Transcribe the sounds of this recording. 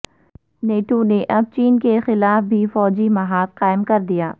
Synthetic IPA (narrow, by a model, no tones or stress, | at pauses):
neːʈoneʔɐb̚t͡ʃiːnkexɪlaːfbʱifɔːd͡ʒimɐɦaːt̪qaːɪmkɐɾd̪ijaː